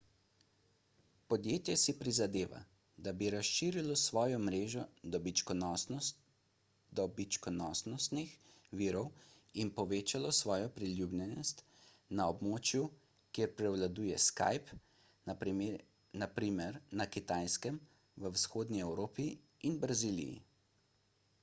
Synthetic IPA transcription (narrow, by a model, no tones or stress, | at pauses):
pɔd̪jeːt̪jɛsipɾizad̪eːʋa̰ | d̪abiɾasʃiːɾilɔsʋɔːjɔmɾeːʒɔd̪ɔbit͡ʃkɔnɔsn | d̪ɔbit͡ʃkɔnɔsnɔst̪nixʋiːɾɔw | inpɔʋeːt͡ʃalɔsʋɔːjɔpɾilʲjublʲjɛnɔst̪ | naɔbmoːt͡ʃju | kjeːɾpɾɛwlad̪uːjɛ̰ska̰jp | napɾiːmɛɾnakit̪aːjskɛm | ʋəwsxoːd̪niɛwɾoːpi | inbɾazilḭjḭ